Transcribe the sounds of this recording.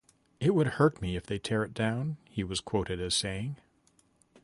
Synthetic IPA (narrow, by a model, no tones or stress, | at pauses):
ɪt̚wɨd̚hɜ˞tmiɨfðeɪtʰɛɹɨt̚d̥ãʊ̃nhiwʌz̥kʰw̥oʊɾɨɾɨz̥seɪɪ̃ŋ